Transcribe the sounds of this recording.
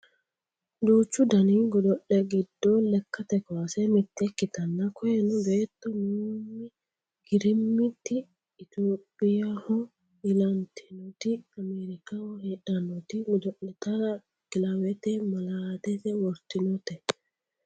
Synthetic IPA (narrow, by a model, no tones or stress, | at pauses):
d͡ʒoːt͡ʃːʊd̪ɐniːɡɔd̪ɔʔːɛɡɪd̪ːolɛkːɐt̪ɛkasɛmɪt̪ːɛkːɪt̪ɐnːɐkʰɔjɛnɔɡet̪ːɔmuːmːɪ | ɡ̥ɪɾɪmːɪt̪ːɪː | t̪oːpʼːɪjahɔ | ɪlɐnt̪ʰɪnɔt̪ɪɐmeːɾɪkahɔheᶑɐnɔt̪ɪmɔd̪ɔʔɛt̪ɐɾɐ | ɡ̥ɪlɐwɛt̪ɛmɐlaːd̪ɛt̪ɛwɔɾt̪ːɪnɔt̪ɛ